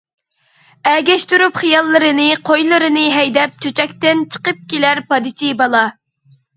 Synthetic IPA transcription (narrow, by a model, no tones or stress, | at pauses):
ɛɡʲɛʃt̪yɾupχijɑlˠːɨɾɨnɨqʰojlˠɨɾɨnɨɦɛjd̪ɛp̚t͡ʃʰøt͡ʃʰɛkʲt̪ɪnt͡ʃʰə̥qəp̚kʲelæɾpɑd̪ɨt͡ʃʰibɑlˠɑ